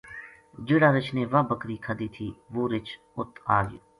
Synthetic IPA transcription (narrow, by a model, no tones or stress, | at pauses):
d͡ʒɪɽaːɾɪt͡ʃʰneːʋabəkɾiːkʰəd̪iːt̪ʰiːʋoːɾɪt͡ʃʰ | ʊt̪aːɡjo̰